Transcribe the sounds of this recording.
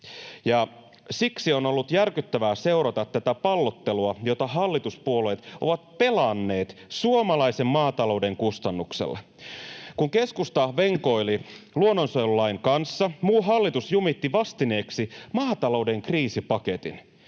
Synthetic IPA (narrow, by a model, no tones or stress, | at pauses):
jɑ | siksio̞no̞lːut̪jærkyt̪ːæʋæːse̞uɾɑt̪ɑt̪t̪ːæt̪æpɑlːot̪ːeluɑjot̪ɑɦɑlːit̪uspuole̞jt̪o̰ʋɑt̪̚pe̞lɑnːe̞ːt̪suomɑlɑise̞mmɑːt̪ɑlo̞ude̞ŋkust̪ɑnːuksḛlːɑ | kuŋke̞skust̪ɑʋe̞ŋkoililuonːonsojlulɑiŋkɑnsːɑmuːɦɑlːit̪usjumit̪ːiʋɑst̪ine̞ːksimɑːt̪ɑlo̞ude̞ŋkriːsipɑket̪ḭn